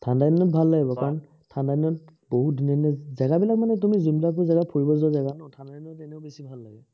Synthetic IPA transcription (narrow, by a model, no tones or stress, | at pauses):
tʰandadinɔt̚bʱalːaɡibɔkaɹɔn | tʰandadinɔt̚ | boɦutdinɔinɛzaɡabilak̚manɛt̬umizimlak̬ojzaɡapʰoɹibɔzɔzaɡanãtʰandadinɔtɛnɛʊbesibʱalːaɡɛ